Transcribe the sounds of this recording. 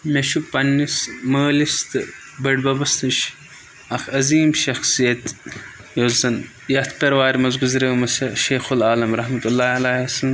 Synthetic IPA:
meʃuk̚pɐnːismɐːlist̪ɨ | bɐɽbɐbɐst̪ɨʃ | ɐxʰɐziːmʃɐxsijɐt̪ | jozɐn | jɐt̪ʰpʲɐɾʋaːɾʲmɐzɡuzɾɐmɐsɐʃeːxulaːlɐmɾɐɦmɐt̪ulːaːɐlaɐsɐ

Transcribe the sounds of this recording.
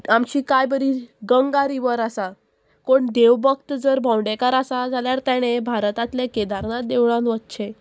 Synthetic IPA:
amt͡ɕiːkajbəɾiɡəŋɡaɾiʋəɾasa | koɳd̪eʋbəkt̪d͡zəɾbʱãwɳɖekaɾasad͡zʱaljaɾt̪aɽ̃ebʱaɾt̪at̪leked̪aɾnat̪d̪eʋɭãnʋət̪t͡ɕʰe

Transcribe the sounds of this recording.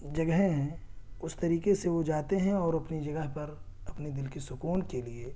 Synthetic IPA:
d͡ʒɐɡəɦẽɦɛ̃ | ʊst̪ɐɾiːkeseʋod͡ʒaːt̪eɦɛ̃ɔːɾɐpnid͡ʒɐɡəɦpɐɾ | ɐpned̪ɪlkesʊkuːnkelie

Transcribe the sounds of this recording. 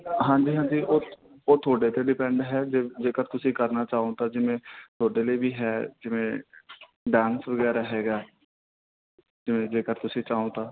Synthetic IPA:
ɦãːɲd͡ʒiːɦãːd͡ʒiːʔoː | oːt̪ʰoːɖeːt̪eːɖɪpɛ̃ːɳɖɦɛːd͡ʒed͡ʒeːkəɾt̪ʊsĩːkəɾnaːt͡ʃaːõːt̪aːd͡ʒɪmẽːt̪ʰoːɖeːləiːbiːɦɛːd͡ʒɪʋẽː | ɖãːnsʋəɡɛːɾɦeːɡaː | d͡ʒɪʋẽːd͡ʒeːkəɾt̪ʊsĩːt͡ʃaːõːt̪aː

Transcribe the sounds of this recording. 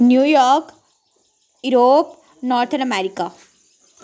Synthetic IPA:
njujɔk | uɾop | nɔɾt̪ʰənəmeɾika

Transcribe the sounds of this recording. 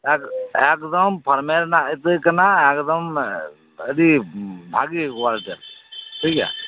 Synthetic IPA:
ɛkekd̪əmpʰəɾmeɾnaət̪ɨkɐnaekd̪ɐm | əd̪ibʱaɡikwalʈeɾʈʰikɛ̰

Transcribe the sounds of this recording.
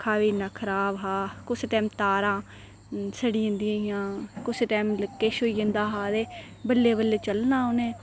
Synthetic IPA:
kʰaːʋiːnaːkʰəɾaːbɦaːkʊsʈɛːmt̪aːɾãː | səɽiːə̃nd̪iãːiãːkʊsʈɛːmləkːeːʃoːiːə̃nd̪aːɦaːd̪eː | bəlːeːbəlːeːt͡ʃəlnãːonẽː

